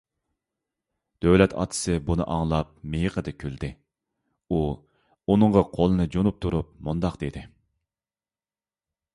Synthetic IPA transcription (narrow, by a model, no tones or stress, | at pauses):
d̪̥øwlɛt̪ʰɑ̰ːt̪ʰɨ̥sɨbunɨ̰ʔɑŋlˠɑp̚mejqʰəd̪ɨkʲʰyld̪ɪ | u | unɨɴʁɑqʰolˠɨnɨd͡ʒonup̚t̪ʰuɾup̚mund̪ɑqd̪ed̪ɪ